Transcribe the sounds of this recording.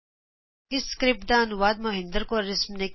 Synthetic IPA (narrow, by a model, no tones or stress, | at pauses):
ɪskɾɪp̚d̪aːɐnuʋaːd̪̚mɐɦɪ̃nd̪əɾkoɾɪsmne